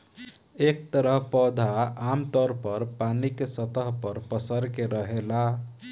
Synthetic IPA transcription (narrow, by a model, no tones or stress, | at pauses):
ek̚t̪əɾəɦpɔd̪ʱaamt̪əɾpəɾpanikesət̪əɦpəɾpəsəɾkeɾəɦela